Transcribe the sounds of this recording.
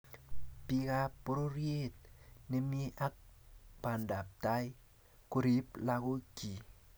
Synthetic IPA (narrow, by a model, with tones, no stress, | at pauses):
pi˦ka˦po˦ɾo˦ɾje˦˨t̚ne˦mje˦ʔa˦k̚pa˨nda˨p̚ta˦j | ku˦ɾi˦pla˦ko˦ki˨